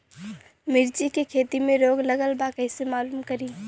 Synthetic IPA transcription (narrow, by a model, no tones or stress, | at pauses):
mɪɾd͡ʒikekʰeːt̪imẽɾoːɡlɐɡəlbakɛɪsemaːluːmkɐɾiː